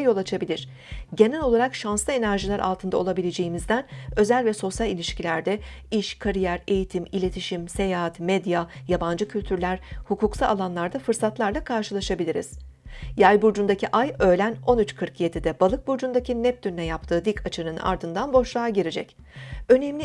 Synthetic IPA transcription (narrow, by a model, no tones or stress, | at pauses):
jo̞lˠat͡ʃʰabilʲiɾ̥ | ɟe̞nɛlʲo̞lˠaɾakʃanslˠɯe̞næɾʒilʲæɾa̰lˠt̪ʰɯnd̪aolˠabilʲed͡ʒe̞jimizd̪ænø̞zælʲvɛso̞sjalʲilʲiʃcilʲæɾd̪ɛiʃkʰaɾijæɾe̞jit̪ʰimilʲe̞t̪ʰiʃimse̞jaːt̪med̪jajaband͡ʒɯcʰylʲt̪ʰyɾlʲæɾ̥hukuksaalˠanlˠaɾd̪afɯɾsat̪lˠaɾlˠakʰaɾʃɯlˠaʃabilʲiɾḭz̥jajbuɾd͡ʒund̪acʰiʔajø̞ːlʲæno̞nyt͡ʃkʰɯɾkje̞d̪id̪ɛbalˠɯk̚buɾd͡ʒund̪acʰinɛp̚d̪ynnɛjapt̪ʰɯːd̪ikʰat͡ʃʰɯnɯna̰ɾd̪ɯnd̪anbo̞ʃlˠaːaɟiɾed͡ʒɛc | ø̞nemlʲi